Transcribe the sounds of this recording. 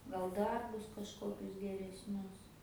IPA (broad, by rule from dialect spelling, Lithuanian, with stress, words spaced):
ɡɐlˠ ˈdɐrbʊs kɐʃˈkoːkʲʊs ɡʲɛrʲɛsʲˈnʲʊs